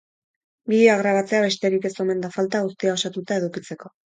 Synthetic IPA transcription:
biaɣɾaβat͡se̞aβe̞st̪e̞ɾike̞so̞me̞nd̪afalt̪aɣust̪iao̞sat̪ut̪ae̞ðukit͡se̞ko̞

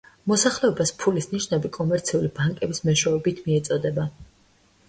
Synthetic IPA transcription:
mɔsaχlɛɔbaspʰulisniʃnɛbikʼɔmɛɾt̪sʰiulibaŋkʼɛbismɛʃwɛɔbit̪ʰmiɛt̪sʼɔd̪ɛba

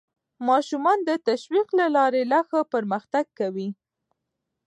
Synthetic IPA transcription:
mɑʃumɑnd̪ət̪aʃwiqlalɑɾelaxapəɾməxt̪aɡ̚kawi

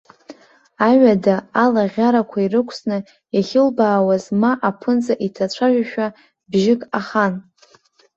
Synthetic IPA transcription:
aɥadaːlaʁʲaɾakʷʰairɨkʷʰsnɨ | jaχʲɪlbaːwazmaʔapʰɨnt͡sʼaʔitʰat͡ɕʷʰaʒʷᶣaʃᶣa | bʒɪkʼaχan

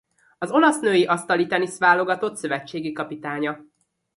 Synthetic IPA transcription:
ɒzo̞lɒsnøːjiʔɒst̪ɒlit̪ɛnisʋaːlo̞ɡɒt̪o̞t̪sø̞vɛt͡ʃːeːɡikɒpit̪aːɲɒ

